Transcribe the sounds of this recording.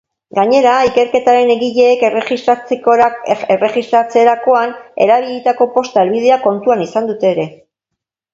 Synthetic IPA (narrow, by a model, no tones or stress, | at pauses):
ɡaɲe̞ɾaike̞ɾke̞t̪aɾe̞ne̞ɣiʎe̞ːke̞re̞ɣist̪ɾat͡sekoɾaere̞ɣist̪ɾat͡se̞ɾako̞ane̞̰ɾaβ̞iʎet̪ako̞po̞st̪aelβið̞e̞ako̞nt̪uanisand̪ut̪e̞ːɾe̞